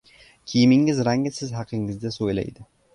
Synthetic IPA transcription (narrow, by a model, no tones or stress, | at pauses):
kʲʰijɪmɪŋɪzɾaŋʲɪsɪzɦɑqʰɪŋɪzd̪asojla̰jd̪ɪ